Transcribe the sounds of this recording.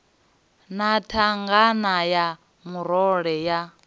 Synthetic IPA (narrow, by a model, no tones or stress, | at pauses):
natʰaŋɡanaja | muɾɔɺɛja